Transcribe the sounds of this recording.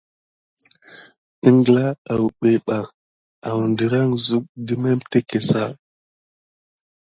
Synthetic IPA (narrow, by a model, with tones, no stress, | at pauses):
i˦ŋɡla˦a˨wu˨ɓe˨ɓa˨ | a˨wu˨ndi˨ɾa˦ŋzu˦k̚di˦me˦mte˦ke˨sa˦